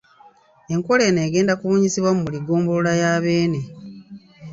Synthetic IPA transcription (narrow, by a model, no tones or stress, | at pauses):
e̞ŋkole̞ːneːɡe̞ːndakuβoːɲisiβwamumuliɡoːmbolulajaβe̞ːne̞